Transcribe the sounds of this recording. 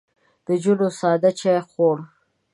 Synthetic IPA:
d̪̥əd͡ʒuɽosɑːd̪at͡ʃajxoɽ

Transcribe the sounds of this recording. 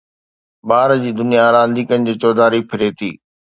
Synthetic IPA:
baːɾd͡ʑiːd̪ʊnijaɾãːnd̪iːkənɪ̆d͡ʑiːt͡ɕɔːd̪aːɾipʰɪɾet̪ʰḭː

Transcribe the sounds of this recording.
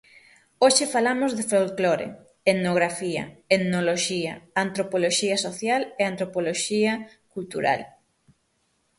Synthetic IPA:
oʃɪfalamozðefolkloɾḛ | eðnoɣ̞ɾafiɐ̰eðnoloʃiɐant̪ɾopoloʃiɐsoθjaleant̪ɾopoloʃiɐ | kult̪uɾa̰l

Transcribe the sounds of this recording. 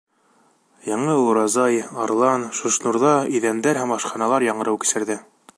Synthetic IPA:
jɑɴɤɾɑzɑjɑɾlˠɑnʃŏʃnuɾðɑiðænd̪æɾɦæmɑʃqɑnɑlˠɑɾjɑɴɤ̆ɾɤwkɘ̥̆sɘ̆ɾðɘ

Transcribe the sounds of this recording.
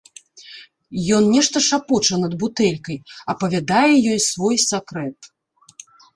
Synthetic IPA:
jɔnnʲɛʂt̪ɐʂapɔt͡ʂɐnɐd̪̚but̪ɛlʲkɐjɐpɐvʲad̪ajɛjɔjsvɔjsakɾɛt̪

